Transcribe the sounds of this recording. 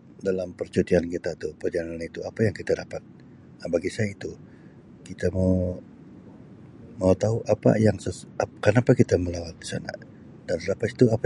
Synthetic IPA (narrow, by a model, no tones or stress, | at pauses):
dalampərt͡ʃut̪iankit̪at̪upərd͡ʒanaanit̪uapajaŋkit̪adapat̪̚ | nabaɡisajait̪u | kit̪ama | maut̪aɦuʔapa̰jaŋsəkənapakit̪aməlawat̪̚di̥sana̰ | d̥anrapat̪i̥t̪uapa